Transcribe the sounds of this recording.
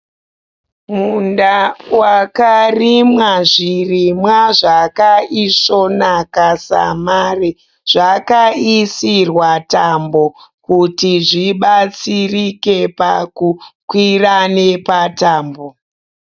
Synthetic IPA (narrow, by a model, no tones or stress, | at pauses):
mundawakarimwaʐirimwaʐakaiso̞nakasa̰maːri | ʐ̥akaisirwatambo̞kutiʐiɓat͡sirike̞pakukwirane̞pataːmbo